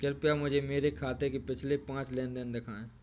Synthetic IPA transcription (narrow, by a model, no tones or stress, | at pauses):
kəɾpijamʊd͡ʒʱemeːɾekʰaːt̪ekepɪt͡ʃʰlepãːt͡ʃlẽːnd̪ɪnd̪ɪkʰaːẽː